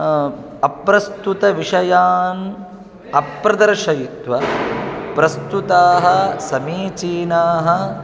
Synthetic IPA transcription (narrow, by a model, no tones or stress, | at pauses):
ɐpɾɐst̪ut̪ɐʋiʂɐjaːn | ɐpɾɐd̪ɐɾʂɐjit̪ʋɐ | pɾɐst̪ut̪aːɦɐ̆sɐmiːt͡ʃiːnaːɦɐ̆